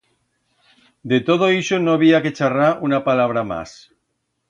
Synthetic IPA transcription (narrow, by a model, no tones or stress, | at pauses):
d̪et̪oð̞oiʃonoβiake̞t͡ʃaraunapalaβ̞ɾama̰s